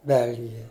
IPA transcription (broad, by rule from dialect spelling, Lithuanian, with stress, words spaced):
ˈbʲɛlʲɡʲɪjɛ